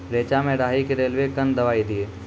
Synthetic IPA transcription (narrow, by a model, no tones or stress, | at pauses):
ɾeːt͡ʃamẽɖaːɦikeɾeːlʋekənd̪ɐʋaːid̪ieː